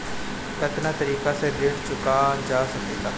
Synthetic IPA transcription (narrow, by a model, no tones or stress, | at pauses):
kət̪naːt̪əɾiːkaːseːd̪ɪɽt͡ʃʊkaːnd͡ʒaːsəkd̪ɪt̪aː